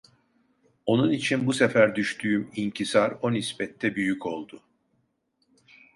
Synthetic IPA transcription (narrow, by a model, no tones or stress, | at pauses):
o̞nunit͡ʃʰinbusefæɾd̪yʃt̪ʰyːymincʰisaɾo̞nispɛt̪ʰːɛbyjycʰo̞lˠd̪ʊ